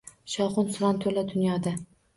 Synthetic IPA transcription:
ʃɒwχʊnsʊɾɒnt̪ʰɵlad̪ʊnjɒd̪a

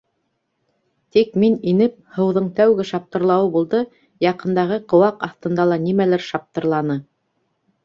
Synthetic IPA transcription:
t̪ikmininɘp̚hɤ̆wðɤɴt̪æwɡɘʃɑp̚t̪ɤ̆ɾlˠɑwɤbulˠd̪ɤ | jɑqɤ̆nd̪ɑʁɤqŏwɑqɑθt̪ɤ̆nd̪ɑlˠɑnimælæɾʃɑp̚t̪ɤ̆ɾlˠɑnɤ

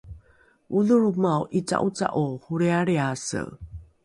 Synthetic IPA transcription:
uðuɾumaowʔit͡sa̰ʔut͡sa̰ʔohuɾeaɾeasə̰

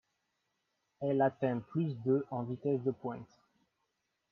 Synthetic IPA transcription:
ɛlat̪ɛ̃plys̬d̪øʔɑ̃vit̪ɛsd̪əpwɛ̃t̪

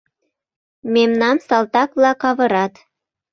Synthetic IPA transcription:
memnɑmsɑlˠt̪ɑkβlɑkɑβɤ̆ɾɑt̪

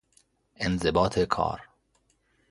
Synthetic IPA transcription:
ʔenzebɒːt̪ʰekʰɒ̰ːɾ

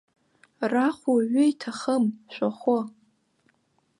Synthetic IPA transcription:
raχʷuɥʏitʰaχəmʃʷaχʷʊ

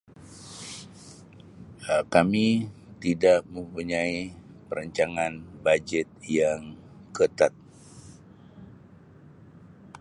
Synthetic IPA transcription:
kami | t̪idaʔ̚mə̃mpuɲai | pəɾəɲt͡ʃaŋanbad͡ʒɛt̪̚jaŋ | kət̪at̪̚

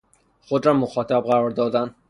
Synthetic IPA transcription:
χod̪ɾɒːmʊxɒːt̪ʰab̚ʁaɾɒɾd̪ɒd̪an

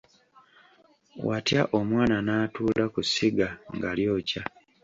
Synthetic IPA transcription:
watjaʔomwaːnanaːtuːlakusiɡaŋɡaljo̞ːca

